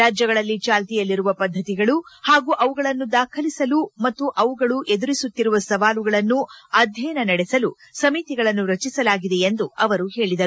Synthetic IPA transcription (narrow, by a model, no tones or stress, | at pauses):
aːd͡ʒjɐɡɐɭɐlːit͡ʃaːlt̪ijɐlːiɾuʋɐpɐd̪ʱːɐt̪iɡɐɭuhaːɡuːʔɐʋuɡɐɭɐnːud̪aːkʰɐlisɐlumɐt̪ːuʔɐʋuɡɐɭuʔe̞d̪uɾisut̪ːiɾuʋɐsɐʋaːluɡɐɭɐnːuɐd̪ʱjɛjnɐnɐɽɛsɐlu | sɐmit̪iɡɐɭɐnːuɾɐt͡ʃisɐlaːɡid̪e̞end̪uɐʋɐɾuhe̞ːɭid̪ɐɾu